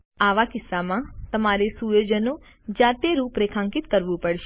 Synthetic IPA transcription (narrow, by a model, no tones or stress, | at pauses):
aʋakɪsːamãt̪əmaɾesujod͡ʒəno | d͡ʒat̪eɾũpɾekʰãŋkit̪kəɾʋũpəɽʃe